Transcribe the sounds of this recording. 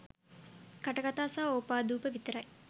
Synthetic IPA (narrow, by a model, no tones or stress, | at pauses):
kaʈəɡat̪aːsaːoːpaːd̪uːpəʋit̪əɾɐj